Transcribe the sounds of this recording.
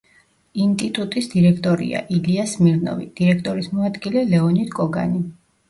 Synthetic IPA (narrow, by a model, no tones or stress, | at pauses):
int̪ʼit̪ʼut̪ʼisd̪iɾɛkʰt̪ʼɔɾḭa̰ʔiliasmiɾnɔ̰vḭd̪̥iɾɛkʰt̪ʼɔɾismɔad̪ɡilɛlɛɔnit̪ʰkʼɔɡa̰ni